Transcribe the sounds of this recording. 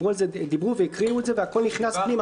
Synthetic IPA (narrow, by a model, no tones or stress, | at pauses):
ualzɛd̪ibʁuvɛikʁiuzɛvɛakɔlniχnaspnim